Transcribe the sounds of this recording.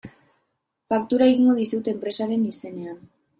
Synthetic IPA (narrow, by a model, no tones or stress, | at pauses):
fakt̪uɾae̞ɣiŋɡo̞ð̞isut̪eːmpɾe̞saɾe̞nise̞ne̞an